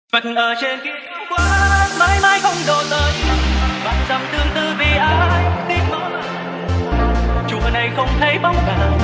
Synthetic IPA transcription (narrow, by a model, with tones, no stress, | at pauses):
və˨˩t̚ʔəː˨˩t͡ɕe˧nki˧˥˨kwaː˧˩maː˧˥jmaː˧jxə˧wŋ͡mɗo˨˩t̪əː˨˩ɓa̰ː˧˨nza˨˩wŋ͡mt̪ɨ˧əŋt̪ɨ˧vi˨˩ʔaː˨˩˧jt̪i˧əmo˧˨˦ | t͡ɕṵ˧˨əna˨˩jxə˧wŋ͡mt̪ʰə˨˦jɓa˨˦wŋ͡m̚ka˧˨˩